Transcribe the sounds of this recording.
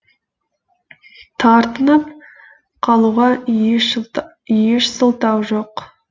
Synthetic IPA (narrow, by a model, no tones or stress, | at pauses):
t̪ʰɑɾt̪ənəp̚ | qʰɑlˠuʁɑʃ | jeʃsəlˠt̪ɑwʒo̞q